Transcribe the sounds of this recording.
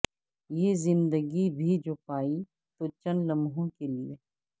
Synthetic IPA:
jeːzɪ̃nd̪əɡibʱid͡ʒoːpaːi | t̪ot͡ʃɐnlɐmɦõkelie

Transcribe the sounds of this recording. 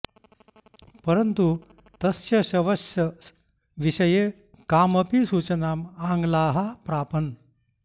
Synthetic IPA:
pəɾənt̪u | t̪ɐsjɐɕɐʋɐsjɐ | ʋiɕəje | kaːməpisuːt͡ɕənaːmaŋɡlaːɦapɾaːpən

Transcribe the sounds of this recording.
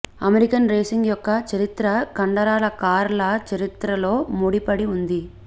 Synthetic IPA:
ɐmeɾikɐnɾeːsiŋɡjɔkːɐt͡ʃɐɾit̪ɾɐkɐɳɖɐɾaːlɐkaːɾlɐt͡ʃɐɾit̪ɾɐlo̞ːmuɽipɐɽiund̪i

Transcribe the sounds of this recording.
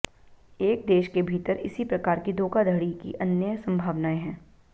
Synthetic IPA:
eːk̚d̪eːʃkebʱiːt̪əɾɪ̰sipɾɐkaːɾkid̪oːkad̪ʱɐɽikḭʔɐnjəsɐ̃mbʱaːʋnaːẽɦɛ̃ː

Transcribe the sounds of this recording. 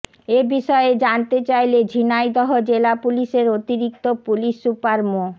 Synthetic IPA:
ebiʃɔeed͡ʑant̪et͡ɕajled͡ʑʱinajd̪ɔɦod͡ʑelapuliʃeɾot̪iɾik̚t̪opuliʃupaɾmo

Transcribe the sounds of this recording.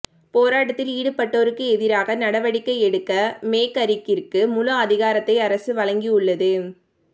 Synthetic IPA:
poːɾaːʈɐt̪ːɪliːɽɯpɐʈːoːɾɯkːɯɛðɪɾaːɣɐnɐɽɐʋɐɽɪkːɐɪɛɽɯkːɐmeːkɐɾɪkːɪrkɯmʊlɐɐðɪɣaːɾɐt̪ːɐɪɐɾɐsɯʋɐlɐŋɡiʊɭːɐðɯ

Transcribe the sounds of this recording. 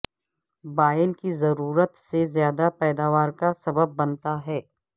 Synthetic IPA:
baːjənkizɐɾuːɾət̪sezjaːd̪apɛːd̪aːʋaːɾkasɐbəb̚ːɐnt̪aɦɛː

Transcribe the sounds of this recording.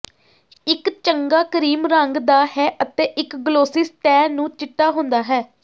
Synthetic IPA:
ɪkt͡ʃəŋɡaːkəɾiːmɾəŋɡd̪aːhɛːʔət̪eːʔɪkɡloːsɪstɛːnũːt͡ʃɪʈːaːɦʊ̃nd̪aːɦɛː

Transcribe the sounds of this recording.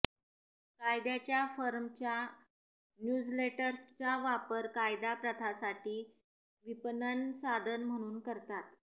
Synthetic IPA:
kajd̪jat͡ɕjafəɾmt͡ɕja | njud͡zleʈəɾst͡saʋapəɾkajd̪apɾət̪ʰasaʈiː | ʋipnənsad̪ʱənm̤əɽ̃uːnkəɾt̪at̪

